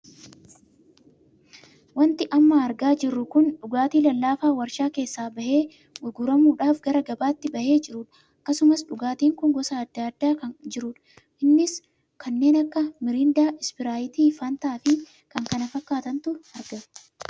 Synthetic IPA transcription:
wɐnt̪ɪʔɐmːɐːɾɡaːd͡ʒɪrːʊkʊnᶑʊɡaːt̪iːlɐlːaːfaːwɐɾʃaːke̞ːsːaːbɐhe̞ː | ɡʊɡʊɾɐmuːᶑaːfɡɐɾɐɡɐbaːt̪ːɪbɐhe̞ːd͡ʒɪɾuːᶑɐ̥ | ɐkːɐsʊmɐsᶑʊɡaːt̪iːŋkʊŋɡɔsaːd̪̥ːaːd̪ːaːkɐnd͡ʒɪɾuːᶑɐ̥ | ʔɪnːɪs | kʰɐnːe̞ːnɐkːɐmɪɾɪnd̪aːʔɪspɪɾaːjɪt̪iːfaːnt̪aːfɪ | kɐŋkɐnɐfɐkːaːt̪ɐnt̪ʊɐɾɡɐ

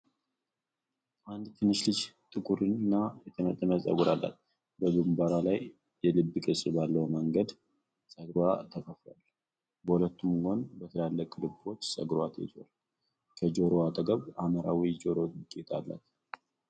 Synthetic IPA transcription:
ʔand̪t̪ʰɨnːɨʃlɨd͡ʒt̪ʼɨkʼuɾɨnɨnːajɛt̪ʰəmət̪ʼːəməsʼə̰ɡuɾalːa̰t̪ | bəɡɨmbaɾalaj | jɛlɨbːɨkʼɨsʼbalːəwməŋɡəd̪ | sʼəɡɾuat̪ʰəkʼʰəfa̰l | bəhulət̪ːumɡonbət̪ʰəlalːəkʼlɨbo̞t͡ʃːsʼə̰ɡɾuat̪ʰɛ̰d͡ʒo̰l | kʰəd͡ʒoɾoat̪ʼəɡəβaməɾawid͡ʒo̞ɾo̞ɨkʼːet̪ʰalːa̰t̪

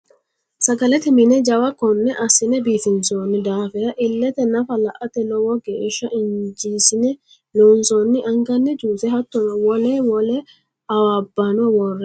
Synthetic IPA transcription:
sɐɡɐlɛt̪ɪmɪnɛd͡ʒɐwɐkɔnːɛʔɐsɪnɛbiːt̪ɪnsoːnːɪd̪aːfɛɾɐʔɪlːɛt̪ɛnɐfɐlɐʔɐt̪ɛlɔwɔɡeːʃːɐʔɪnd͡ʒiːsɪnɛ | loːnsonːɪʔɐŋɡɐnːɛd͡ʒuːt̪ɛɦɐt̪ːɔnɐwɔlɛwɔlɛ | ɐwaːbːɐnɔwɔrːɛ

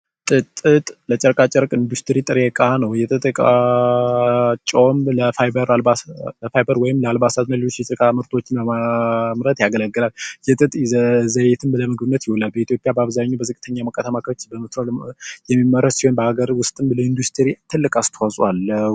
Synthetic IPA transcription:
t̪ʼɨt̪ʼɨt̪ʼlət͡ʃʼɛɾkʼat͡ʃʼɛɾkʼɨnd̪ust̪ʰɨɾit̪ʼɨɾekʼanəwjɛt̪ʼɨt̪ʼɨkʼa | t͡ʃʼomləfajbəɾlaləfajbəɾwɔjɪmləalbasat̪nəliot͡ʃːjɛsʼɨkʼamɨɾt̪ʰo̞t͡ʃːɪnbəmamɾət̪jaɡələɡːɨlaljɛt̪ʼɨt̪ʼzəjɛt̪ʰɨmbləmɨɡɨbɨnːət̪jɪwɔlalbəit̪ʰjo̞pʼjabaβzaɲːobəzɨkʼɨt̪ʰəɲːaməkʼːət̪ʰamakʰt͡ʃːbəmɨt̪ɾoljɛmːimːəɾəssiho̞nbəhaɡəɾwʊst̪ʼɨmləɨnd̪ust̪ʰɨɾit̪ʰɨlːɨkʼast̪ʰəwasʼwalːə

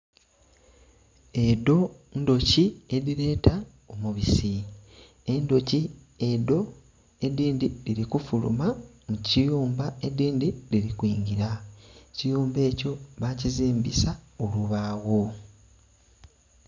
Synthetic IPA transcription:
e̞do̞ | ndo̞cieðiɾe̞ːta | omuβisi | e̞ndo̞ci | e̞do̞ | ediːndiɾiɾikufulṵma | mucijuːmbaediːndiɾiɾikwiːŋɡiɾacijuːmbe̞ːco̞βaciziːmbisaoluβaːɣo

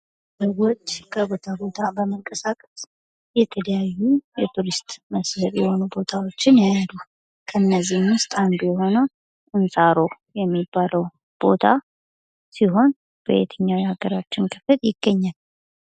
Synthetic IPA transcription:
səwot͡ʃːkʰəbo̞t̪ʰabo̞t̪ʰabəməŋkʼəsakʼə̥s | jɛt̪ʰələjajːujɛt̪ʰuɾist̪ʼməshət̪jɛho̞nubo̞t̪ʰawo̞t͡ʃːɪnjajalu | kʰəɨnːəzːihmwʊst̪ʼand̪ujɛɦo̞nəw | ɨnsʼaɾo̞ | jɛmːibːaləw | b̥o̞t̪ʰa | siɦo̞n | b̥ə̰jet̪ʰəɲːawihaɡəɾat͡ʃːɪnkʰɨfɨt̪jɪɡ̥ːəɲːal

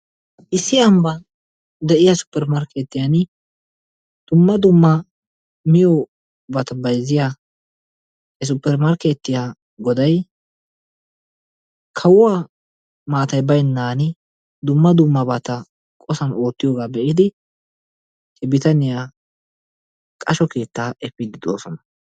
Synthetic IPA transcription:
ʔɪsːɪɐmbɐ | d̪ɛʔɪjasʊ̥pːɛɾmɐɾkʰeːt̪ːɪjan | d̪̥ʊmːɐd̪ʊmːɐ | mɪjo | bɐt̪ɐbɐjzɪjaː | hɛs̬ʊpːɛɾmɐɾkeːt̪ːɪjaː | ɡɔd̪ɐj | kʰɐwʊwaː | maːt̪ɐjbɐjnːaːnɪ | d̪ʊmːɐd̪ʊmːɐbɐt̪ɐ | kʼɔsɐno̞ːt̪ːɪjoːɡaːbɛʔɪd̪ɪ | hɛbɪt̪ɐnɪjaː | kʼɐʃɔke̞ːt̪ːaːʔɛfːɪd̪ɪd̪oːsɔnɐ

